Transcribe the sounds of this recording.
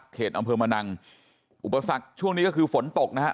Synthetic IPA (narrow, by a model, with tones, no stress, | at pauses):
kʰːeː˨˩ʔa˧mpʰɤː˧ma˧na˧ŋ | ʔu˨˩pːa˧sa˨˩k̚t͡ɕʰu˥˩əŋniː˦kɔː˥˩kʰɯː˧fo˩˦nt̪o˨˩k̚na˦˥a̰˦˥